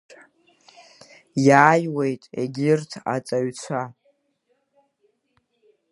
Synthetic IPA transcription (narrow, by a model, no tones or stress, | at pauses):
jaːjwejtʼḛɡʲɪrtʰa̰t͡sʼaɥt͡sʷʰa